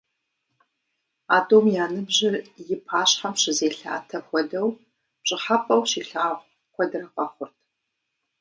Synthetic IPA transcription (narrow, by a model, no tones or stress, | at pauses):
aːdoːmjaːnɨbʑɪrjɪpʰaːɕħamɕɪzeːɬa̰ːtʰɐxʷɔdɐw | pɕʼɪħapʼɐwɕiːɬaːʁʷ | qʷɔdɨɾɐqɐχʷʊrtʰ